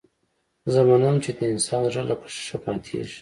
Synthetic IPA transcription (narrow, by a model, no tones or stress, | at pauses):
zamanamt͡ʃed̪əɪnsɑːnʐalako̥ʃi̥ʃapɑt̪ʰiḛʃ